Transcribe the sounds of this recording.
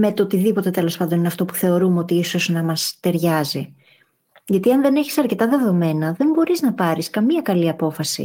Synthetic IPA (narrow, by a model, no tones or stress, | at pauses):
me̞t̪ot̪iðipo̞t̪e̞t̪e̞lo̞spɐnd̪o̞nineɐft̪o̞pu̥θe̞o̞ɾumeo̞t̪iiso̞znɐmɐst̪e̞ɾʝɐzi | ʝɐt̪iɐnðe̞ne̞çisɐɾce̞t̪ɐðe̞ðo̞me̞nɐðe̞mbo̞ɾiznɐpɐɾiskɐmiɐkɐliɐpo̞fɐsḭ